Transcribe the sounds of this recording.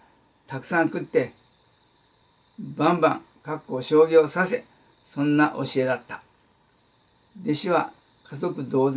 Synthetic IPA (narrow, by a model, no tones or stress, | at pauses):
t̪akɯ̟̥sãŋkɯ̟t̪ːe̞ | bãmbã̰ŋ | kakːo̞ːɕo̞ːɡʲo̞ːsase̞ | sõ̞nːaʔo̞̰ɕie̞d̪at̪ːḁ | d̪e̞ɕiβa | kazo̞kɯ̟d̪o̞ːz